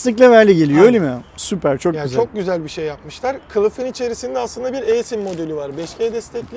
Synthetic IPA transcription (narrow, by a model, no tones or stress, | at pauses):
st̪ʰɛc̬lʲɛvæɾlʲɛɟe̞lijoilʲimsypʰæɾt͡ʃʰojayzt͡ʃʰo̞k̚ɟyzælʲbiʃejːapmɯʃlˠaɾkʰɯlˠɯfɯnit͡ʃʰe̞ɾisind̪ɛaslˠɯnd̪abiɾejsinmo̞d̪elʲivaɾbɛʃcʰejd̪ɛst̪ʰɛclʲi